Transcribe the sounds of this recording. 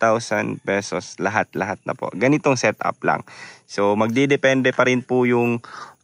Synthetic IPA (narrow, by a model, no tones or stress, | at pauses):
t̪awsɐnd̪pɛsoslɐɦat̪lɐɦat̪̚nɐ̰po̞̰ʔɡɐnɪt̪oŋsɛt̪ʔa̰pla̰ŋsomɐɡ̚d̪id̪ɛpɛnd̪ɛpɐɾɪnpʊjʊŋ